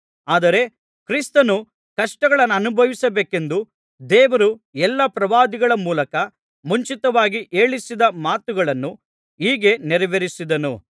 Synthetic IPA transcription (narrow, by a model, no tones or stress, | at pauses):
aːd̪ɐɾe̞ | kɾist̪ɐnu | kɐʂʈɐɡɐɭɐnːɐːnubʱɐʋisɐbeːke̞nd̪u | d̪ɛːʋɐɾuɛlːɐpɾɐʋaːd̪iɡɐɭɐmuːlɐkɐ | muɲt͡ʃit̪ɐʋaːɡiʔeːɭisid̪ɐmaːt̪uɡɐɭɐnːu | iːɡe̞nɛɾɐʋeɾisid̪ɐnṵ